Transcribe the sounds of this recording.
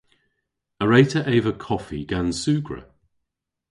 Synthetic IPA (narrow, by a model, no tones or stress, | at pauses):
əɹeɪtʰəʔeɪvəkʰɔfiɡ̥ansʉːɡɹə̰